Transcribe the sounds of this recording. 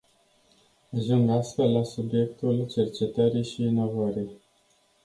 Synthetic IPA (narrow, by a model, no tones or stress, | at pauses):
aʒuŋɡast̪fe̞lːasubje̞k̚t̪ult͡ʃe̞rt͡ʃe̞t̪əɾijʃiːno̞vəɾij